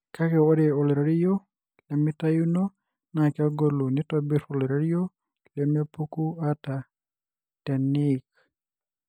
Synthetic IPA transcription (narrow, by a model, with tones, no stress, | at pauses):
ka˦kɛ˨wɔ˦ɾɛ˨o˨lɾa˦ɾijo˦ | ki˨le˨mi˦ta˦ju˦no˦ | na˨kɛɔ˦ɡo˦lu˨ni˦tɔbi˦ɾo˨lɾa˦ɾijo˦ | ki˨lɛ˨˦me˦pu˦ku˦a˦ta˨ | tɛ˨nik